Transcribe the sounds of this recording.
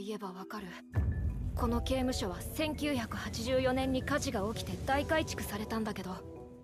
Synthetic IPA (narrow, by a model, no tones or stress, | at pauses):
ie̞baβakaɾɯ̟ | ko̞no̞ke̞ːmɯ̟ɕo̞β̞asẽ̞ŋkʲɨːçakɯ̟hat͡ɕiʑɨːjo̞nẽ̞ɲ̟ːikaʑiɡao̞kʲi̥t̪e̞d̪aikait͡ɕi̥kɯ̟saɾe̞t̪ãnd̪ake̞d̪o̞